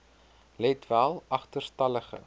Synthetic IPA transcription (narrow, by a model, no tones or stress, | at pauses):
lɛtvælˠɐχtərstɐləχə̰